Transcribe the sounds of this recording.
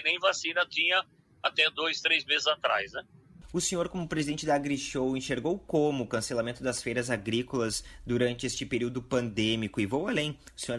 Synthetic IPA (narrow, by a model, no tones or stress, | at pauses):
nẽj̃vasĩnɐt̪ĩɲɐ | at̪ɛd̪ojst̪ɾejzmezɪzat̪ɾa̰jsnɛʊsẽɲoɾkõmʊpɾezid̪ẽnt͡ʃɪd̪ɐaɡɾiʃowẽʃeɾɡowkõmʊːkɐ̃selamẽnt̪ʊd̪ɐsfejɾɐzaɡɾikolɐzd̪uɾɐ̃nt͡ʃɪest͡ʃɪpeɾiwd̪ʊpɐ̃nd̪ẽmikʊɪvowalẽj̃ | ʊ̥sẽɲoɾ